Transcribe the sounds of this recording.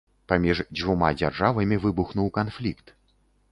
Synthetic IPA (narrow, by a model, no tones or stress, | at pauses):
pamʲiʐd͡zʲvuma̰d͡zʲarʐavɐmʲivɨbuxnuwkanflʲikt̪